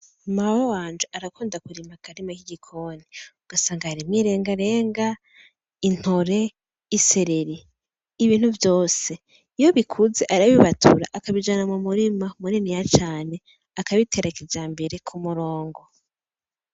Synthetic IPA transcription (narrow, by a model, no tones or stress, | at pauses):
maɾowaːnd͡ʒuʔaɾakuːndakuɾimakaɾimakiɟikʰoniuɡ̥asaːŋɡahaɾimŋiːɾe̞ːŋɡaɾe̞ːŋɡa | in̥ho̞ɾe̞ | ise̞ɾeɾiː | βiːn̥huvjo̞ːse̞ | ijo̞βikʰuze̞ʔaɾaβiβatʰṵɾa̰ʔakaβid͡ʒanamumuɾimamuninijat͡ʃaːne̞ | akaβitʰe̞ɾakid͡ʒaːmbe̞ɾe̞kʰumuɾo̞ːŋɡo